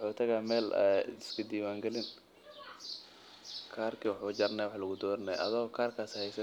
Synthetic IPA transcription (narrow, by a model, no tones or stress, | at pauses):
wħuːt̪ʰɐɣaːmɛːl̰ɪskʰɐd̪iːwaːŋɡɛlɪn | kʰaːrkʰiːwʊħuːd͡ʒɐɾnɛjwħlɐɣʊd̪ɔːɾnɛjɐ̰ðɪɣɔkʰaːrkʰaːshɛjsɐ